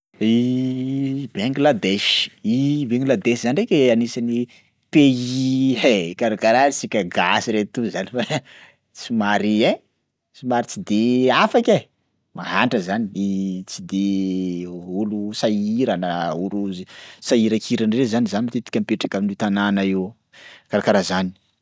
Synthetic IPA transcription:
i | beŋɡlad̪eʃi̥ibeŋɡlad̪eʃzanirekʲeanisani | peiekaɾakaɾaɾisikʲəɡasiɾet̪uzanifa | t͡simaɾie | t͡simaɾit͡sid̪eafakʲe | maɦaɳʈ͡ʂəzaninit͡sid̪e | ulusaiɾanəuɾuzsaiɾakʰiɾanrezanizanimit̪et̪i̥kʲampeʈ͡ʂakaminit̪ananaew | kaɾakaɾazani̥

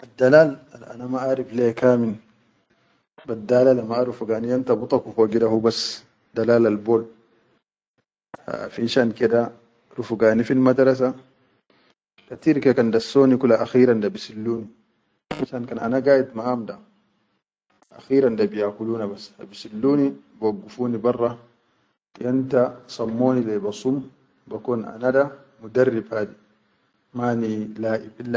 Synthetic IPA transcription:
ad̪alaːlalʔa̰namaʔaɾiflekaːmin | bad̪aːlalamaaɾufuɡaːnijant̪abut̪ˤɑkufaɡidahubas | dalaːlalbol | a̰finʃankɛda | ɾufuɡaːnifilmad̪ɾas̬a | tat̪iɾkakandasːoːnikulaʔaxiːɾandabisilːuːni | finʃankana̰naɡaːjit̪maamda | ʔa̰xiːɾandabijakuluːnabasa̰bisilːuːnibwaɡːufuːnibɑrˤːɑ | jantasamːoːnilɛbasum | bakɔna̰nada | mudarːifaːdi | maːnilaːʔibilːa

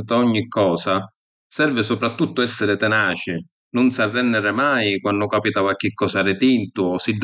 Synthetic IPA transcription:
t̪aɔɲːikʰːɔːsa | sɛrvɪsʊpɾat̪ːut̪ːʊɛsːɪɾɪt̪ɛnaːt͡ʃɪ | nʊnsarːɛnːɪɾɪmajkwanːʊkapit̪awak̟ːikːɔːsarɪt̪int̪ʊɔsid̪

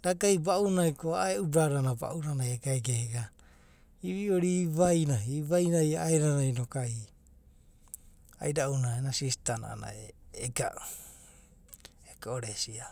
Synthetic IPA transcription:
ɾaɡajbaunajkoaaeubaɾanaba̰ʔunanajaɡaeɡeɡa | iβioɾiβajnaiβajnajaaeɾanajnokaj | a̰jɾaʔunaenasistana̰a̰na̰eːɡa̰ʔ | ekoɾesia

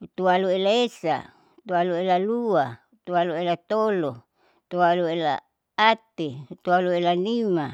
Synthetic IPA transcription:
t̪ualuelaesa̰ | t̪ualuelalua | t̪ualuelat̪olo | t̪ualuela̰ | at̪et̪ualuelanima

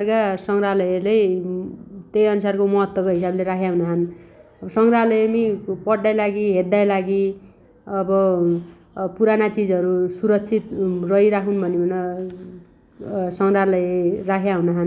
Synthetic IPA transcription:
rkasʌŋralʌjelej | t̪ejʌnusarkomʌɦʌt̪wʌkoɦisableɾakʰjaɦũnaɦʌnʌbsʌŋralʌjʌmipʌɽːajlaɡiɦet̪ajlaɡi | ʌbʌ | puɾanat͡sid͡zʌɾusuɾʌk̚t͡sʰit̪rʌiɾakʰunbʱʌnbʌnʌ | sʌŋralarakʰjaɦũnaɦʌn

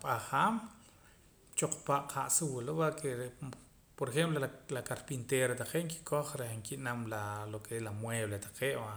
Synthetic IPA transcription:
ɓʼaχaːm | t͡ʃoq͡χpaʔqʰaʔsuwlowakʰeɾe | poɾexemplolakaɾpint̪eːɾat̪aqeʔŋki̥kʰoχɾehŋkiʔnamlalokelamweːβlet̪ḁqeːʔwa

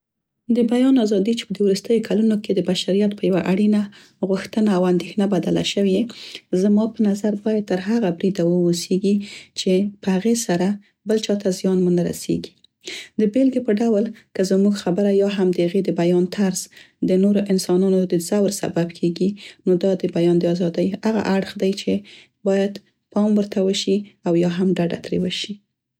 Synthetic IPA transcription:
d̪əbajɑnɑzɑd̪it͡ʃe̥pəd̪ewɾust̪əjokʰalunoked̪əbaʃaɾijat̪̚pəjawaʔaɽina | ɣuxt̪ənaːwand̪exnabad̪ala̰ʃəwiezmɑpənazaɾbɑjad̪̚t̪əɾɦaɣabɾid̪awəoseɡit͡ʃepəhaɣesaɾa | bəlt͡ʃɑt̪azjɑnmunaɾa̰sḛɡi̥ | d̪əbelɡepəɖawlkəzmuɡxabəɾajɑɦamd̪əaɣed̪əbajɑnt̪ʰaɾz | d̪ənoɾoʔɪnsɑnɑnod̪əzawɾsa̰babkʰeɡinod̪ɑd̪əbajɑnd̪əɑzɑd̪əjaɣa̰ʔaɽxd̪ajt͡ʃe | bɑjad̪ | pɑmwəɾt̪awəʃiawjɑɦamɖaɖa̰t̪ɾewəʃi

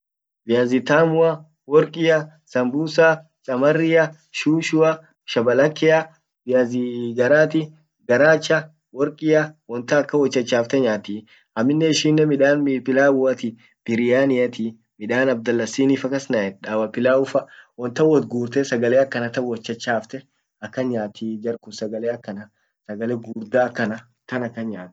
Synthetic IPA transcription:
bɪjaːzɪt̪aːmʊɐ | wɔɾkʼɪjɐ | sɐmbuːsa | t͡ʃʼɐmɐrːɪjɐ | ʃuːʃʊɐ | ʃɐbɐlɐkːɛɐ | bɪjazɪɡɐɾaːt̪ɪ | ɡɐɾaːt͡ʃːɐ | wɔɾkʼɪjɐwɔnt̪ɐːkːɐwɔt͡ʃːɐt͡ʃːaːft̪ɛɲaːt̪ɪ | ɐmːɪnːɛɪʃiːnːɛmɪᶑaːnmipɪlaːʊɐt̪ɪ | b̥ɪɾɪjaːnɪɐt̪ɪ | mɪᶑaːnɐbd̪ɐlːɐsiːniːfɐkːɐsnaɛᶑaːwɐpɪlaːʊfɐwɔnt̪ɐwɔt̪̚ɡuːɾt̪ɛsɐɡɐleːɐkːɐnɐt̪ɐwɔt͡ʃːɐt͡ʃːaːft̪ɛ | ɐkːɐɲaːt̪ʰiːd͡ʒɐɾkʊsɐɡɐleːɐkːɐnɐ | sɐɡɐlɛɡuːɾd̪aːkːɐnɐ | kɐnɐkːɐɲaːt̪

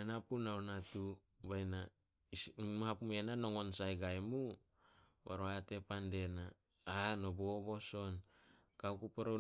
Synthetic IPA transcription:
anapunawnatu | bajna | mhapume̞nano̞ŋo̞nsajɡajmu | ba̰ɾoate̞pande̞na | anoboobo̞so̞n | kaukupeɾo

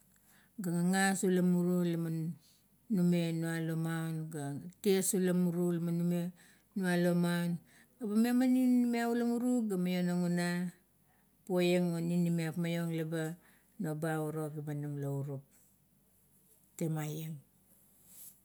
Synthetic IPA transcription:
ɡaŋaŋasulamuɾulama | nume̞nualomawnɡatiesulamuɾulamanume | nualo̞mawn | ɡabamemaninːimeaulamuɾuɡamajo̞naŋuna | pojeŋoninimeapmajo̞ŋlaba | nobauɾoɡibanamlauɾup̚ | temajeŋ

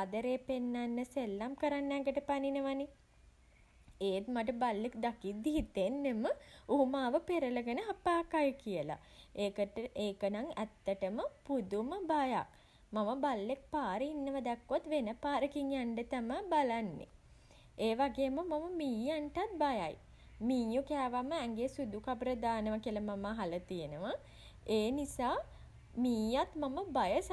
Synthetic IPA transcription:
ad̪əɾeːpenːanːəselːamkəɾanːɛŋɡəʈəpaninəʋani | eːt̪maʈ̬əbalːekd̪akid̪ːiɦit̪enːeməumaːʋəpeɾələɡənəɦapaːkajəkijəla̰ | eːkəeːkənaŋæt̪ːəʈəməpud̪uməbaja̰k̚ | maməbalːek̚paːɾəinːəʋad̪ɛkːot̪ʋenəpaːɾəkiŋjaɳɖət̪amabalanːḛ | eːʋaɡeːmumaməmiːjaɳʈat̪̚baja̰j | miːjukæːʋamːəɛŋɡesud̪ukapɾəd̪aːnəʋakiələmamaɦalət̪ijənəʋa | eːnisaː | miːjat̪maməbajəs

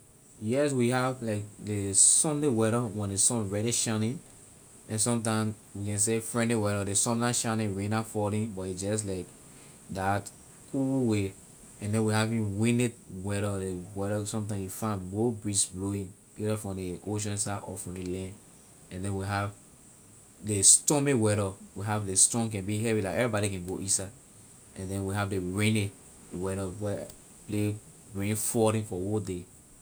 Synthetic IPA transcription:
jɛs̬wihavlaɪk̚desɔ̃ndewɛɾəwɛ̃ndesɔ̃nɹɛɾiʃãnĩn | ɛ̃nsɔ̃mt̬ãɪ̃ms | wikɛ̃ns̬efɹɛ̃ndlewɛɾədesɔ̃ndãʃanĩnɹĩnafɔɾĩnbɔtisd͡ʒɔs̬laɪk | dat | kʰuwe | ɛ̃ndɛ̃nwihavĩwĩnet̚wɛɾədewɛɾɔsɔ̃mtãɪ̃mjufãnwobɹisbloĩn | iɾafɹɔ̃deʔoʃ̬ɔ̃nsaʔɔ̰fɹɔ̃delɛ̃nd | ɛ̃ndɛ̃nwiɦav | destɔ̃mewɛɾɔwiɦavdestɔ̃nk̬ɛ̃nbiɦɛvilakɛvɹibɔɾikɛ̃nɡoʔisa | ɛ̃ndɛ̃nwiɦavdeɹẽne | wɛɾɔwɛ | ple | bɹĩĩnfɔɾĩnfɔwode

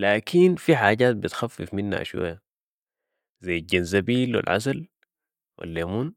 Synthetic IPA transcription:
laːkʰinfiħaːɟaːt̪̚bit̪xafːifminha̰ʃwa̰jːa | zajːalɟanzabiːlwḭlʕa̰sal | wḭlːeːmuːn

